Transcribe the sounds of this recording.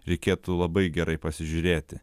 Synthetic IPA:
ɾʲɛɪkʲeːt̪ulˠɐbɐɪɡʲɛɾɐɪpɐsʲɪʒʲʊɾʲeːt̪ʲɪ

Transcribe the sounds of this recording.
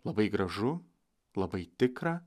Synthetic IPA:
lˠɐbɐɪɡɾɐʒʊ | lˠɐbɐɪt̪ʲɪkɾɑ

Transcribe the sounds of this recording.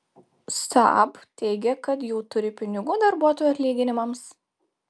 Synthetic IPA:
st̪ɐ̰bt̪ʲɛɪɡʲɛkɐt̪juːt̪ʊɾʲɪpʲɪnʲɪɡʊd̪ɐɾbuɔt̪oːjuɐt̪ʲlʲiːɡʲɪnʲɪmɐms

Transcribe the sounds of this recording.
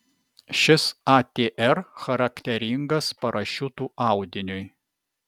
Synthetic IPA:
ʃʲɪsɑːt̪ʲeːʔɛɾxɐɾɐkʲt̪ʲɛɾʲɪŋɡɐspɐɾʔɐʃʲut̪uːɑˑʊd̪ʲɪnʲʊj

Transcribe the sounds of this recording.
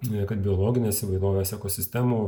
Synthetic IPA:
ɛkɐt̪̚bʲɪoːlˠoːɡʲɪnʲeːsiʋɐɪd̪oːʋʲeːsɛkoːsʲɪsʲt̪ʲɛmuː

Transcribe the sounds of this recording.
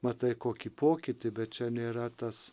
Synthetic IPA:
mɐt̪ɐɪkoːkʲiːpoːkʲɪt̪ʲɪbʲɛt̪t͡ʃʲɛnʲeːɾɐt̪ɐs

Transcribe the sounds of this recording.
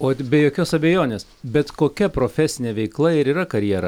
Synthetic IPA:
oːbʲɛjoːkʲoːsɐbʲejoːnʲeːs | bʲɛt̪koːkʲɛpɾoːfʲɛsʲɪnʲeːʋʲɛɪklˠɐɪɾiːɾɐkɐɾʲjiɛɾɐ̰

